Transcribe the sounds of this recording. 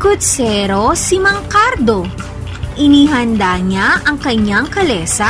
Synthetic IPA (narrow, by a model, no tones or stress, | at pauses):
kʊt̪sɛɾo̞simɐŋkaɾd̪o̞ | ʔɪniɦɐnd̪aɲaʔɐŋkɐɲaŋkɐlɛsa